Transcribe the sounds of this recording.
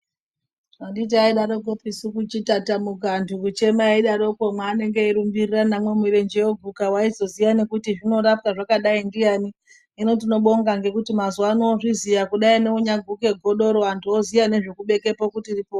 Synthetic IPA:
andit̬iaiɗaɾo̞k̬opisukut͡ʃitatamukantʰukut͡ʃe̞maaiɗaɾo̞komwaːne̞ŋɡe̞iɾumbiriranamwe̞miɾend͡ʒejoɡʱukawaizo̞zijane̞kutiʐino̞ɾapkaʐakaɗaindijani | ino̞t̬ino̞ɓo̞ŋɡaŋɡe̞kutimazanoʐizijakuɗaine̞uɲaɡʱuke̞ɡʱo̞ɗo̞ɾoantʰuozijane̞ʐekuɓe̞ke̞pokutiripoː

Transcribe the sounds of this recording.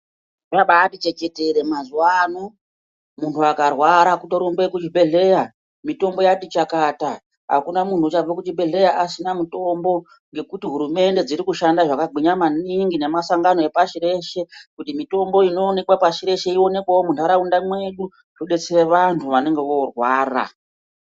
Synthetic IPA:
raɓaːtit͡ʃe̞keteɾe̞mazuwano | muntʰuakarwaɾakutoɾombeekut͡ʃibe̞ɮe̞ja | mito̞mbo̞jatit͡ʃakata | ɦa̰kunamuntut͡ʃab͡vakut͡ʃibe̞ɮe̞jaʔasinamuto̞mbo̞ | ŋɡe̞kutiɦuɾume̞nde̞d͡ziɾikuʃandaʐakaɡʱiɲamaniŋɡine̞masaŋɡano̞e̞paʃire̞ʃe̞kutimito̞mboino̞ːne̞kwapaʃiɾe̞ʃe̞io̞ne̞kwawomuntaɾaundamwe̞ɗu | tuɗe̞t͡sereʋantʰuʋane̞ŋɡe̞ʋo̞rwaːra̰

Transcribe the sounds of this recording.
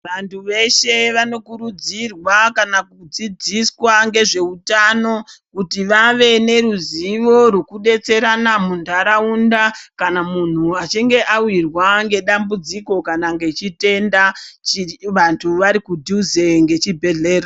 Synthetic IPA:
ʋantʰuʋe̞ʃe̞ʋano̞kuɾud͡zirwakanakud͡zid͡ziswaŋɡe̞ʐe̞utano̞kutiʋaʋe̞ne̞ɾuziʋo̞rokuɗe̞t͡se̞ɾanamuntaɾaundakanamun̤uat͡ʃiŋɡe̞ʔawirwaŋɡe̞ɗambud͡ziko̞kanaŋɡe̞t͡ʃite̞nda | ʋantʰuʋaɾikudʱuzeŋɡe̞t͡ʃibʱe̞ɮe̞ːra

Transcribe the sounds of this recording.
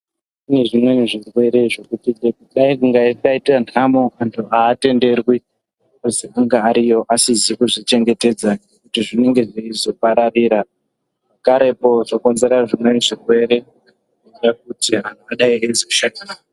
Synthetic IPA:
ine̞ʐimwe̞niʐirwe̞ɾe̞ʐo̞kutiɡekuɗaikuŋɡairkaitan̤amoantʰuʔaːte̞nde̞rwi | kuziaŋɡaːɾijo̞ʔasizikuʐit͡ʃe̞ŋɡe̞te̞d͡zanekutiʐine̞ŋɡe̞ʐiizo̞paɾariːɾa | akaɾe̞po̞ʐoko̞nze̞ɾaʐimwe̞niʐirwe̞ɾe̞ | a | iirak̚utian̤ʰuaɗaiezoʃaa

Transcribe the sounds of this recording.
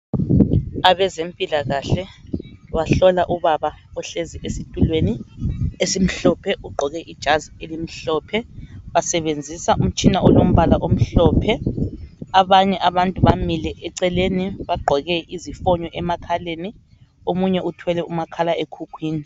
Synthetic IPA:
aβɛzempʼilaɣaɬɛwaɬɔlaʔuβaβaɔɬeziʔesitʼulweniesim̩ɬɔpʰɛʔuɡ͡ǃʱɔɣɛʔid̥ʒ̥ʱazielim̩ɬɔːpʰɛβasɛβend͡zʱisaʔum̩t͡ʃʼinaʔɔlom̩βalaʔom̩ɬɔːpʰɛ | aβaɲɛʔaβantʼuβamilɛʔɛǀɛleniβaɡ͡ǃʱɔɣɛʔizifɔɲɔʔɛmakʰaleːni | omuɲɛʔutʰwɛlɛumakʰalaekʰukʰwiːni

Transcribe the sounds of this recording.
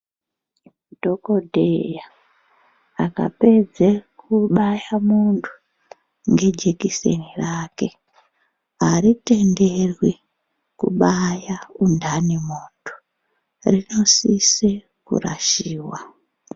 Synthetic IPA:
dʱo̞kodʱeja | ka̰pe̞d͡zekuɓajamuntʰu̥ | ŋɡe̞d͡ʒekise̞̰niraːke̞ | aɾite̞nderwi | kṵɓajaundanimoːtʰu̥ | rino̞sise | kṵra̰ʃiːwa

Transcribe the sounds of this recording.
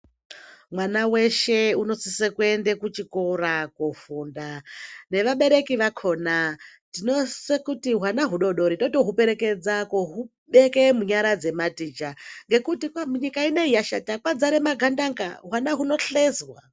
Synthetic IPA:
mwanawe̞ʃe̞uno̞sisekue̞ndekut͡ʃikorakufuːndane̞ʋaɓe̞ɾe̞kiʋakʰo̞natino̞sekutiɦwanaɦuɗo̞ɗo̞ɾitoto̞ɦupe̞ɾe̞ke̞d͡zakoɦu | ɓe̞ke̞muɲaɾad͡ze̞matiːd͡ʒaŋɡe̞kutikamuɲikaine̞ijaʃa̰takwad͡zaɾemaɡʱandaŋɡa̰ɦwanaɦuno̞ɬezwa

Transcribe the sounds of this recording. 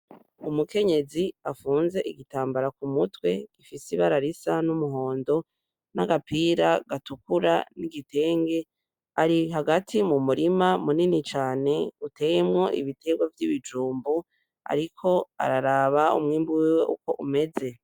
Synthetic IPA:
umuke̞ɲe̞ziafuːnze̞ʔiɡitaːmbaɾakumutwe̞ɡ̥ifisiβaɾaɾisanumuɦo̞ːndo̞ | naɡapiːɾaɡ̥atukuɾa̰niɡitʰe̞ːŋɡe̞ | aɾiɦaɡatʰimumuɾimamuninit͡ʃaːne̞ute̞jemŋo̞ʔḭβitʰe̞ɡwavjiβid͡ʒuːmbu | a̰ɾikʰo̞a̰ɾaɾaβaṵmŋiːmbuwiweʔuko̞ʔume̞ze̞

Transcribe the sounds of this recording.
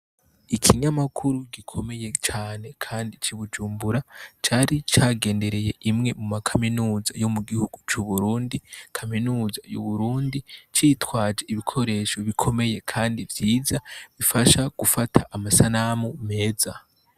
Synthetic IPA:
ikʰiɲamakʰuɾuɡikʰo̞me̞je̞t͡ʃaːne̞kʰaːndit͡ʃiβud͡ʒuːmbuɾat͡ʃaːɾit͡ʃaːɡe̞ːnde̞ɾe̞je̞ʔimŋe̞mumakʰaminuːza̰jo̞muɡihuɡ̥ut͡ʃuβuɾuːndikʰaminuːzajṵβuɾuːndit͡ʃiːtwaːd͡ʒe̞iβikʰo̞ɾe̞ːʃo̞βikʰo̞me̞je̞kʰaːndivjiːzaβifaʃaɡ̥ufatʰaʔamasanamume̞ːza

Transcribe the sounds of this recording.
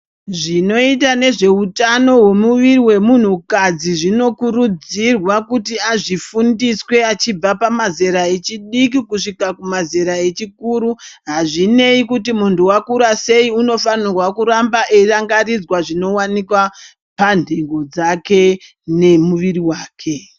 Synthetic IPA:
ʐino̞itane̞ʐe̞utano̞we̞muʋiriwe̞mun̤ukad͡ziʐino̞kurud͡zirwakutiaʐifundiswe̞at͡ʃib͡vapamazeɾae̞t͡ʃiɗik̬ikuʂikakumazeɾae̞t͡ʃikuːɾuɦaʐine̞ikutimuntuwakuɾase̞iuno̞fanirwakuɾambaʔeiraŋɡarid͡zwaʐino̞wanikwa | pandʱeŋɡo̞d͡zake̞ | ne̞muʋiriwaːkʰe̞

